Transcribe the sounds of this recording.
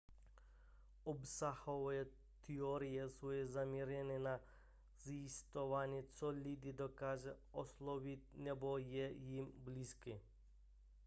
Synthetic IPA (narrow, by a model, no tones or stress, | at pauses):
obsaxoʋe | t̪ioɾijesujezamiɾjenina | zist̪oʋaɲet͡s̪olid̪id̪okaʒeoslˠoʋit̪̚nɛbojejimbliski